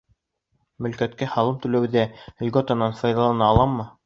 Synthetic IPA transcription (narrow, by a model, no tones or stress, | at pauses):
mɵ̆lkæt̪kæhɑlˠɤmt̪ʉ̆læwðælʲɡot̪ɑnɑnfɑjðɑlˠɑnɑːlˠɑmːɤ